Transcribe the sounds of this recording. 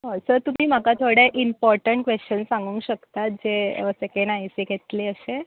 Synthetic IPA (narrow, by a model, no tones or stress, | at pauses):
ɦɔsəɾt̪um̤iːm̤akat̪ʰoɽeʔimpɔɾʈəɳʈkʋeɕt͡ɕənsãŋɡũŋɕəkt̪at̪̚d͡ʑeəsekeɳɖajseɡʱet̪leəɕe